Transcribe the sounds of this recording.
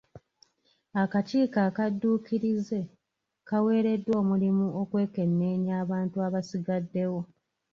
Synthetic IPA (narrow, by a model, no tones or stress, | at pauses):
akat͡ʃiːkakadːuːkiɾize̞ | kawe̞ːɾe̞dːwo̞ːmulimuo̞kwe̞ːke̞nːe̞ːɲaːβaːntuaβasiɡadːe̞wo̞